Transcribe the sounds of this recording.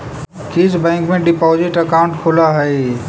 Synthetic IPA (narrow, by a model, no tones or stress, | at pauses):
kit͡ʃbɛ̃ːŋkmẽɖɪpɔːzɪʈəkaʊ̃ɳʈkʰolaɦəi